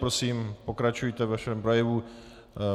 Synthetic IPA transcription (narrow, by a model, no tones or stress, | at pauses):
ɾosiːmpo̞kɾat͡ʃujt̪ɛvaʃɛmpɾo̞jɛvu